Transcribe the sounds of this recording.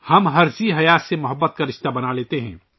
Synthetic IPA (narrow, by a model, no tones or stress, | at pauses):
hɐmɦɐɾziɦɐjaːsemʊɦəbːət̪̚kaɾɪʃt̪abɐnaleːt̪eɦɛ̰̃ː